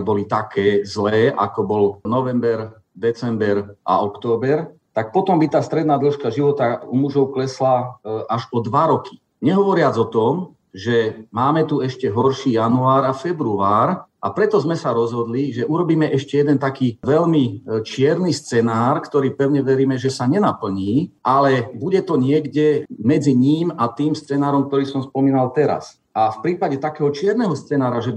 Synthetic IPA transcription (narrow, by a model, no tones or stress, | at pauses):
bɔlit̪akɛːzlɛːʔa̰kɔbɔlnɔʋɛmbɛɾ | d̪ɛt͡sɛmbɛɾʔa̰ɔkt̪ɔːbɛɾt̪ak̚pɔt̪ɔmbit̪aːst̪ɾɛd̪naːd̪l̩ʃkaʒiʋɔt̪aumuʒɔʊklɛslaaʒɔd̪ʋaɾɔki̥ | ɲɛɦɔʋɔɾɪad͡zɔt̪ɔm | ʒɛmaːmɛt̪uɛʃcɛɦɔɾʃiːjanuaːɾafɛbɾuaːɾʔa̰pɾɛt̪ɔzmɛsaɾɔzɦɔd̪liʒɛʔuɾɔbiːmɛʔɛʃcɛjɛd̪ɛnt̪akiːʋɛʎmit͡ʃɪɛɾnist͡sɛnaːɾkt̪ɔɾiːpɛʊɲɛʋɛɾiːmɛʒɛsaɲɛnapl̩ɲiːʔalɛbuɟɛt̪ɔɲɪɛɡɟɛmɛd͡ziɲiːmat̪iːmst͡sɛnaːɾɔmk̚t̪ɔɾiːsɔmspɔmiːnalt̪ɛɾa̰s | ʔafpɾiːpaɟɛt̪akɛːɦɔt͡ʃɪɛɾnɛɦɔst͡sɛnaːɾaʒɛ